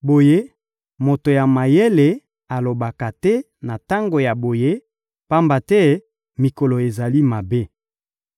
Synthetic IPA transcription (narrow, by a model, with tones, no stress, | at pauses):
bo˨je˦ | mo˨to˨ja˨ma˨je˦le˨ | a˨lo˨ba˨ka˨tɛ˦ | na˨ta˦ŋɡo˨ja˨bo˨je˦ | pa˦mba˨tɛ˦ | mi˨ko˨lo˨e˨za˨li˦ma˨be˦